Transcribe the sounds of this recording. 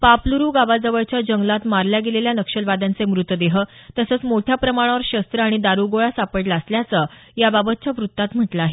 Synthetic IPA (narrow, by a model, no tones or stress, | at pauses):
papluɾuːɡaʋad͡zəʋəɭt͡ɕjad͡ʑəŋɡlat̪maɾljaɡeleljanəkʂəlʋad̪ant͡semɾut̪əd̪eɦət̪əsəːt͡smoʈʰjapɾəmaɽ̃aʋəɾɕəst̪ɾəaɽ̃id̪aɾuɡoɭasapəʈlaːsljat͡səjababət̪̚t͡ɕjaʋɾut̪ːat̪m̤əʈlaːɦe